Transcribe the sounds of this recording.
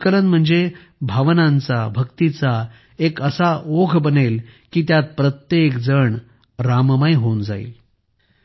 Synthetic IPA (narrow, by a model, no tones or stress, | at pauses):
kələnm̤əɳd͡ze | bʱaʋnãnt͡sabʱəkt̪it͡sa | ekəsaoɡʱbənelkiːt̪jat̪̚pɾət̪jekd͡zəɳ | ɾaməmajɦond͡za̰ḭːl